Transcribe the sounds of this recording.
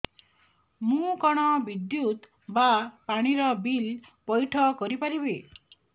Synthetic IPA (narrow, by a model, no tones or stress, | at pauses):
mũkɔɽ̃ɔbid̪jut̪ | bapaɽ̃iɾɔbilpɔjʈʰɔkɔɾipaɾibe